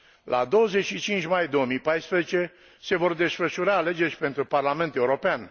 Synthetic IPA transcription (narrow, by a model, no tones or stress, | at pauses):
lʔa̰d̪o̞wəzet͡ʃʃit͡ʃint͡ʃʲmajd̪o̞womijpajspɾezet͡ʃe̞ | se̞vo̞rd̪e̞sfəʃuɾaːle̞d͡ʒe̞rʲpe̞nt̪ɾuparlame̞nt̪e̞uɾo̞pean